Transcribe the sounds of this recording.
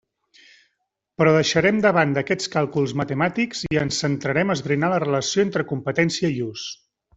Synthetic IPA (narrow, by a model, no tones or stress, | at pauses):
pɾɔðəʃəɾɛmd̪əβ̞and̪əkɛt͡skalˠkulˠzmət̪əmat̪ikz̥iənsənt̪ɾəɾɛməzβɾinalərələsioent̪ɾəkumpət̪ɛnsiəius